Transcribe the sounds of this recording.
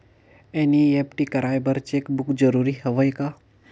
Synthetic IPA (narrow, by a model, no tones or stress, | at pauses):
eniepʈikəɾaːjbəɾt͡ʃekbukd͡ʒəɾuːɾihəʋəjka